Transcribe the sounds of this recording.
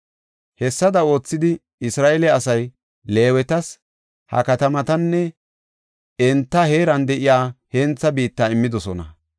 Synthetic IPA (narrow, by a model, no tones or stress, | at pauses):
hɛsːɐd̪ɐo̞ːt͡sːɪd̪ɪ | ɪsɾaːʔɛlɛɐsɐj | le̞ːwɛt̪ɐs | hɐ̰kɐt̪ɐmɐt̪ɐnːɛ | ɛnt̪ːɐhe̞ːɾɐnd̪ɛʔɪjaːhɛnt͡sːɐbiːt̪ːaːɪmːɪd̪ɔsɔnɐ̰